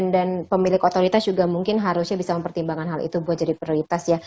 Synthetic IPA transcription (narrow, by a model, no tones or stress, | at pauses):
ndanpəmilɪkot̪oɾit̪asd͡ʒuɡamuŋkɪnɦaɾʊsɲabisaməmpərt̪imbaŋanɦalḭt̪ubuat̪̚d͡ʒadipɾioɾit̪asja